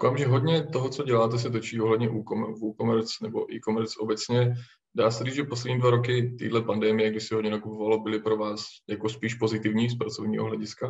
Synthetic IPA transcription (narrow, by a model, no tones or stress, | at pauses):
dofaːmʒɛɦodɲɛt̪o̞ɦot͡soɟɛlaːt̪ɛs̬ɛt̪ot͡ʃiːoɦlɛdɲɛʔuːkomɛvuːkomɛɾt͡snɛbo̞̰ʔiːkomɛɾt͡sʔo̞bɛt͡sɲɛ | daːsɛriːd͡zʒɛpos̬lɛd̪ɲiːdvaɾo̞kɪt̪ḭːdlɛpandɛːmɪjɛɡdɪsɪɦodɲɛnakupovalobɪlɪpɾo̞vaːsjakospiːʃpo̞zɪt̪ɪvɲiːs̬pɾat͡sovɲḭːɦoɦlɛɟɪska